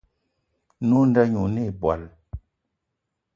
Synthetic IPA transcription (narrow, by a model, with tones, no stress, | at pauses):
nu˦n˦da˦ɲu˨ne˦˨bwa̰˨l